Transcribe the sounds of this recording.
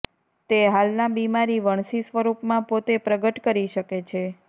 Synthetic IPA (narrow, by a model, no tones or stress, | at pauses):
t̪eɦalnabimaɾiʋəɳ̃sisʋəɾupmãpot̪epɾəɡəʈkəɾiʃəket͡ʃʰe